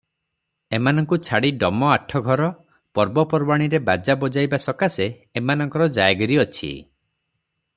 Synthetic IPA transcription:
emanɔŋkut͡ʃʰaɽiɖɔmɔaʈʰɔɡʱɔɾɔ | pɔɾbɔpɔɾbaɽ̃iɾebad͡ʒabɔd͡ʒajbasɔkaseː | manɔŋkɔɾɔd͡ʒajɡɔɾiɔt͡ʃʰḭ

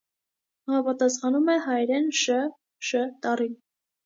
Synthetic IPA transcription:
ɑmɑpɑt̪ɑsχɑnumɛɦɑjɾɛnʃə | ʃət̪ɑrin

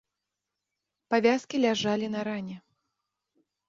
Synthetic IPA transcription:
pavʲaskʲilʲaʐalʲinɐɾanʲɛ

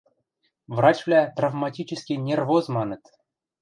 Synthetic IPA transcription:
vrɑt͡ɕvlʲæt̪ravmɑtʲit͡ɕɘskʲinʲervozmɑnɤ̆t̪

